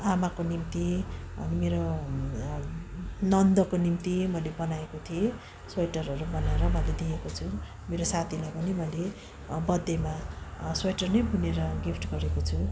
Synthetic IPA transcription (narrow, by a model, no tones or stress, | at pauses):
amakonimt̪iʌ̰nimeɾo | nʌnd̪ʌkonimt̪imʌjlebʌnaekot̪ʰie | swʌjʈʌrɦʌɾubʌnaeɾʌmʌled̪iekot͡sʰu | meɾosat̪ʰilajpʌnimʌjle | bʌd̪ːemaswejʈʌrnʌjbʱuneɾʌɡipʰʈɡʌɾekot͡sʰu